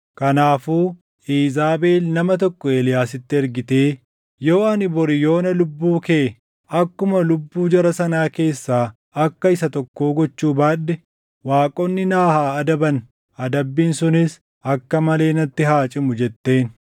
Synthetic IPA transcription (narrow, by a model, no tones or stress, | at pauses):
kɐnaːfuː | ʔiːzaːbe̞ːlnɐmɐt̪̬ɔkːɔe̞ːlɪjaːsɪt̪ːɪɛɾɡɪt̪e̞ː | jo̞ːɐnɪbɔɾɪjo̞ːnɐlʊbːuːkeː | ɐkːʊmɐlʊbːuːd͡ʒɐɾɐsɐnaːke̞ːsːaː | ɐkːɐɪsɐt̪ɔkːoːɡɔt͡ʃːuːbaːᶑːɛ | waːkʼɔnːɪnaːhaːɐd̪ɐbɐn | ɐd̪ɐbːiːnsʊnɪs | ɐkːɐmɐle̞ːnɐt̪ːɪɦaːt͡ʃʼɪmʊd͡ʒɛt̪ːe̞ːn